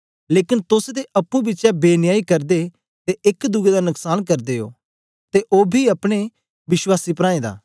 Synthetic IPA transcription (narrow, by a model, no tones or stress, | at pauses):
leːkɪnt̪ʊsd̪eʔɐpːũbɪːt͡ʃjaːbeːnɪjaːikɐɾd̪e | t̪eɪkd̪ʊɡeːd̪aːnʊksaːnkɐɾd̪eːo̰ː | t̪eʔoːbʱiɐpɽ̃e | ʋɪʃwaːsiːpɾãːẽːd̪a̰ː